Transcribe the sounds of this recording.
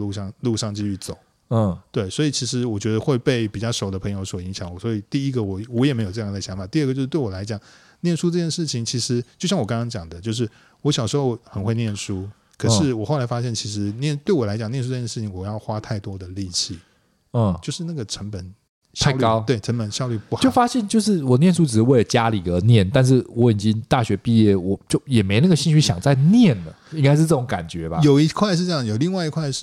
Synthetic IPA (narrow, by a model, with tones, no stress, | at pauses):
u˥˧ʂɑ˥˧ŋlu˥˧ʂɑ˥˧ŋt͡ɕi˥˧y˥˩t͡so˨˩˦ʊ˥˩ | t̪we˥˩ɪswɔ˧˥i˨˩t͡ɕʰi˧˥ʂɻ̩˧˥wɔ˨˩t͡ɕɥɛ˧˥d̪ə˧xwe˥˧ɪpe˥˩ɪpi˨˩t͡ɕjɑ˥˩ʊʂo˨˩ʊd̪ə˦pʰɤ˧˥ŋjo˧˥ʊswɔ˨˩i˧˥ŋɕjɑ˧˦ŋwɔ˨˩swɔ˧˥i˨˩t̪i˥˩i˦˥ɡə˨wɔ˨˩wɔ˧˦˥jɛ˨˩me˧˥ɪjo˨˩ʈ͡ʂɤ˥˧jŋ˩ɕjɑ˧˥ŋfa˨˩t̪i˥˧˥ɡə˩t͡ɕo˥˧ʂ̩˥t̪we˥˩wɔ˨˩la˧˥ɪt͡ɕjɑ˨˩ŋ | njɛ˥˩nʂu˥ʈ͡ʂɤ˥˧˩jɛ˥˧nʂɻ̩˥˩t͡ɕʰi˨˩˦ŋt͡ɕʰi˧˥ʂɻ̩˧˥t͡ɕjo˥˧ʊɕjɑ˥ŋwɔ˨˩kɑ˥ŋkɑ˥ŋt͡ɕjɑ˨˩ŋd̪ə˦t͡ɕjo˥˧ʊʂ̬ɻ̩˥˩ | wɔ˧˥ɕjɑ˨˩ʊʂɻ̩˧˥xo˥˧ʊxə˨˩nxwe˥˧ɪnjɛ˥˩nʂu˥ | kʰɤ˨ʂɻ̩˥˩wɔ˨˩xo˥˩ʊla˧˥ɪfa˥ɕjɛ˥˩nt͡ɕʰi˧˥ʂ̬ɻ̩˧˥njɛ˥˩n˥t̪we˥˩ɪwɔ˨˩la˧˥ɪt͡ɕɑ˨˩ŋnjɛ˥˧nʂu˥˧˩t͡ɕjɛ˥˧˩ʂɻ̩˥˩t͡ɕʰi˨˦ŋwɔ˨˩jɑ˥˩ʊxwa˦˥t̪ʰa˥˩ɪt̪wɔ˥d̪ə˨li˥˧t͡ɕʰi˥˩˥ | t͡ɕjo˥˧ʊʂɻ̩˥˧na˥˩ɡə˨ʈ͡ʂʰə˧˥npə˨˩n | ɕj̪ʰa˥˩˧lykɑ˥˦ʊt̪we˥˩ɪʈ͡ʂʰə˧˥npə˨˩nɕjɑ˥˧ly˥˧pu˥˧xt͡ɕjo˥˩˧ʊfa˥ɕjɛ˥˧nt͡ɕjo˥˧ʊʂɻ̩˥˩wɔ˨˩njɛ˥˨nʂu˥ʈ͡ʂɻ̩˨˩˦we˥˩ɪlə˩t͡ɕja˥li˨˩ə˧˥njɛ˥˩nt̪a˥˧nʂ̬ɻ̩˥˩wɔ˨˧˥i˨˩t͡ɕi˦ŋt̪a˥˩ɕɥɛ˧˥pi˥˧jɛ˥˩wɔ˨˩˦t͡ɕjo˥˩ʊjɛ˨˩me˧˥ɪna˥˩ɡə˩ɕi˥˧nɕy˥˩ɕjɑ̰˨˩ŋt͡sa˥˧ɪnjɛ˥˩nlə˩i˥ŋka˥ɪʂ̬ɻ̩˥˧t͡sɤ˥˩o˧˦ŋka̰˨˩nt͡ɕɥɛ˨˦ba̰˧jo˨˩ʊi˧˥kʰwa˥˧ɪʂ̬ɻ̩˥˧ʈ͡ʂɤ˥jɑ˥˨jo˨˩ʊli˥˧ŋwa˥˩ɪi˧˥kʰwa˥˧ɪʂɻ̩˥˩